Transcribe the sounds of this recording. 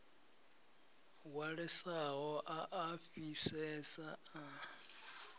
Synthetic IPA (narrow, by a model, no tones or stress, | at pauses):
waɺɛsaɦɔʔaʔafisɛsaa